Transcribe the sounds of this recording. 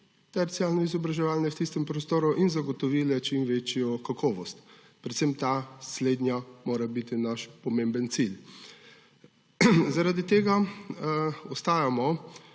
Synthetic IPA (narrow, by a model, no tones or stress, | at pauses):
t̪ɛɾt̪sialnɔizɔbɾaʒɛʋaːlnɛwt̪ist̪ɛmpɾɔst̪oːɾuʔinzaɡɔt̪ɔʋiːlɛt͡ʃimʋeːt͡ʃjɔkakʰɔːʋɔst̪ | pɾɛt̪sɛmt̪asleːd̪nʲjamoːɾabit̪inaʃpɔmẽmbənt̪sil | zaɾad̪it̪eːɡa | ɔst̪aːjamɔ